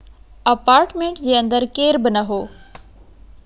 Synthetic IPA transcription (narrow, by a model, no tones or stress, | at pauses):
ɐpaːɾʈmẽːɳʈd͡ʑeːɐ̃nd̪əɾkeːɾbɪnɐɦoː